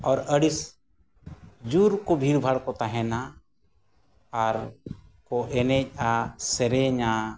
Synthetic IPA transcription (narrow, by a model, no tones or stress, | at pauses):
ɔɾəɽis | d͡ʒuɾkɔbʱiɾbʱaɽkɔt̪aɦɛna | ɾkɔʔɛnɛc̚ˀasɛɾɛɲa